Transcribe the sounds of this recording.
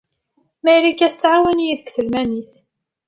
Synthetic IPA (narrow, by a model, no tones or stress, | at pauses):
mæjlikːæθət͡sːʕawənjiðəkθəlmæniθ